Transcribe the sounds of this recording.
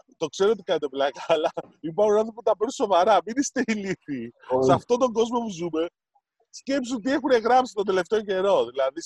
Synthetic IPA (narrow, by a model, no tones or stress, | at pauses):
t̪o̞kse̞ɾoot̪ikɐnt̪eplɐkɐːlɐipɐunɐθooput̪ɐpeɾuso̞vɐɾɐminist̪eiliθisɐft̪o̞t̪o̞ŋɡo̞zmo̞puzume̞ | sce̞ps̬unt̪̬ie̞xune̞ɣɾɐpsi̥t̪od̪e̞left̪eoce̞ɾo̞ðilɐðis